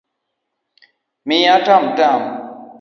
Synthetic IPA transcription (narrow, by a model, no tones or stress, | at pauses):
mijatamtam